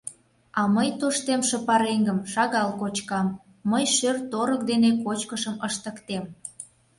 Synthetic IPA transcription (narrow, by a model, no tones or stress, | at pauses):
ɑməjt̪oʃt̪emʃə̆pɑɾeŋɡəmʃɑɣɑlkot͡ɕkɑmː | əjʃørt̪oɾək̚d̪enekot͡ɕkəʃəməʃt̪əkt̪em